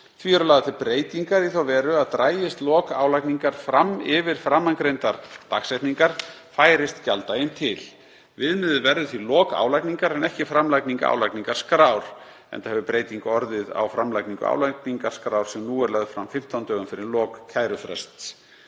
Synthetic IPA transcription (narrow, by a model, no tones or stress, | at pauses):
θviɛɾʏlaːɣðaθɪlpɾeːjt̪iŋkaɾiθawvɛːɾʏaðt̪ɾaːjɪst̪lɔːka̰ːwlajkniŋkaɾ̥fɾamɪvɪɾ̥fɾamːaŋkɾejnt̪aɾt̪a̰ksɛjht̪niŋkaɾ̥faːjɾɪst̪calt̪ajɪnt̪ʰɪl | vɪðnmɪðʏvɛɾðʏθvilɔːka̰ːwlajkniŋkaɾɛnɛhcɪfɾamlajkniŋka̰a̰wlajkniŋkaɾ̥skɾaːwɾ̥ | ɛ̰nt̪ahɛvʏpɾeːjt̪iŋkaɔɾðɪða̰wfɾamlajkniŋkʏ̰a̰wlajkniŋkaɾ̥skɾaːwɾ̥sɛmnuːɛɾlœɣðfɾamfɪm̥t̪ʰawnt̪œːɣʏmfɪɾɪɾlɔːkkʰːaːjɾʏfɾɛ̰st̪s